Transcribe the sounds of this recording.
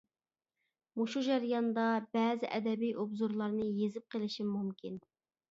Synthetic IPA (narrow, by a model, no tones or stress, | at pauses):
muʃud͡ʒɑɾjɑnd̪ɑbɛːzɪʔɛd̪ɛbijʔubzuɾlˠɑɾnɨjezɪp̚qʰəlˠɪʃimmumkʲʰin